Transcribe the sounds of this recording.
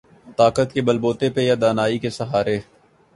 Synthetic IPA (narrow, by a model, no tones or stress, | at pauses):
t̪aːkət̪kebəlboːt̪epejad̪aːnaːikesɐɦaːɾeː